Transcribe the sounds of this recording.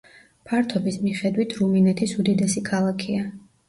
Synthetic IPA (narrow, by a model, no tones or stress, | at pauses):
pʰaɾt̪ʰɔbismiχɛd̪wit̪ʰɾuminɛt̪ʰisud̪id̪ɛsikʰalˠakʰia